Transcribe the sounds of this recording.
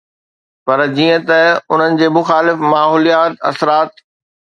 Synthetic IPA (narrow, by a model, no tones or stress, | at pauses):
pɐɾd͡ʑiːə̃t̪ɐʊn̤ənɪ̆d͡ʑeːmʊxaːlɪfmaːɦoːlijaːt̪ɐ̰sɾaːt̪̚